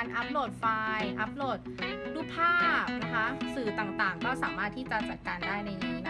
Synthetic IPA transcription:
nʔa˦˥p̚loː˨˩t̪̚faː˧jʔa˦˥p̚loː˨˩t̪̚duː˦˥˩pʰaː˥˩p̚na˦˥kʰa˦˥sɯː˨˩t̪aː˨˩ŋt̪aː˨˩ŋkɔː˥˩saː˩˦maː˥˩t̪ʰːiː˥˩t͡ɕa˨˩t͡ɕa˨˩t̪̚kaː˧ndaː˥˩jna˧ja˨˩ŋiː˦˥na˦˥

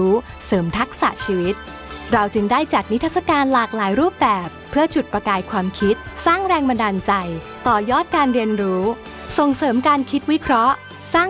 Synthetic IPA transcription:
uː˦˥ | sɤː˩˦mt̪ʰa˦˥k̚sa̰˨˩ʔt͡ɕʰiː˧wi˦˥t̪̚ | ɾa˧wt͡ɕɯ˧ŋdaː˥˩jt͡ɕa˨˩t̪̚ni˦˥t̪ʰa˥t̪̚sa˧kaː˧nlaː˨˩k̚laː˩˦jɾuː˥˩p̚bɛː˨˩pʰːɯ˥˩ɐt͡ɕu˨˩t̪̚pɾa˧kaː˧jkʰwaː˧mkʰi˦˥t̪̚saː˥˩ŋɾɛː˧ŋba˧ndaː˧nt͡ɕa˧j | t̪ɔː˨˩jɔː˥˩t̪̚kaː˧nɾi˧ənɾuː˦˥ | so˨˩ŋsɤː˩˦mkaː˧nkʰi˦˥t̪̚wi˦˥kʰɾɔ˦˥ʔ | saː˥˩

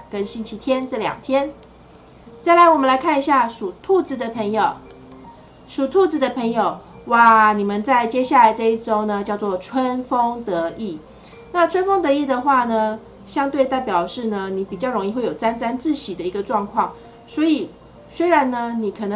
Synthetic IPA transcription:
kə˥nɕi˥nt͡ɕʰi˧˥t̪ʰjɛ˥nʈ͡ʂɤ˥˩ljɑ̰˨˩ŋt̪ʰjɛ˥n | t͡sa˥˩ɪla˧˥ɪwɔ˨˩mə˦nla˧˥ɪkʰa˥˩ni˧˥ɕja˥˩ʂu˨˩t̪ʰu˥˧t͡sɹ̩˧˥d̪ə˧pʰə˧˥ŋjo˨˩ʊ | ʂu˨˩t̪ʰu˥˧t͡sɹ̩˥d̪ə˧pʰə˧˥ŋjo˨˩ʊwa˥˨˩ni˨˩mə˦nt͡sa˥˧˩ɪt͡ɕjɛ˥ɕja˥˩la˧˥ɪʈ͡ʂɤ˥˧i˥˩ʈ͡ʂo˥ʊnə˨t͡ɕjɑ˥˧ʊt͡swɔ˥˩ʈ͡ʂʰwə˦˥nfo˥ŋt̪ɤ˧˥i˥˩ | na˥˨ʈ͡ʂʰwə˥nfo˥ŋt̪ɤ˧˥i˥˩d̪ə˩xwa˥˩nə˩ | ɕjɑ˥ŋt̪we˥˧ɪt̪a˥˩ɪpjɑ˨˩ʊʂɻ̩˥˩nə˩ni˧˥pi˨˩t͡ɕjɑ˥˩ʊɻo˧˥ŋi˥˧xwe˥˩jo˨˩a˥nt͡sa˥nt͡sɹ̩˥˩ɕi˨˩d̪ə˦i˧˥ɡə˧ʈ͡ʂwɑ˥˧ŋkʰwɑ˥˩ŋ | swɔ˧˥i˨˩ | swe˥ɪɻa˧˦nnə˧ni˨˩kʰɤ˨˩nɤ˧˦

